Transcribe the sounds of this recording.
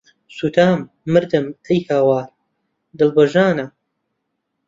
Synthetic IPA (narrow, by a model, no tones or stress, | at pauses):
suːt̪ʰaːmː | ɨɾd̪ɨmɐjhaːwaːɾ | d̪ɨlbɐʒaːnɐ